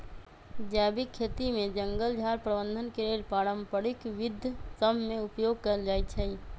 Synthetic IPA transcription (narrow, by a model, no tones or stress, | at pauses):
d͡ʒaːbikʰːeːt̪imẽd͡ʒə̃ŋɡəld͡ʒʱaːɾpɾəbə̃nd̪ʱənkeɾeːlpaːɾə̃mpəɽɪkʋɪd̪ʱjsəmmẽʊpjoːɡ̚kəɾd͡ʒaːɛt̪t͡ʃʰɛ